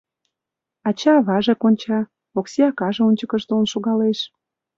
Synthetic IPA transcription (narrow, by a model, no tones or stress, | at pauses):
ɑt͡ɕɑβɑʒekonʲt͡ɕɑ | okseɑkɑʒeunʲt͡ɕəkəʃt̪onʃoɣɑleʃ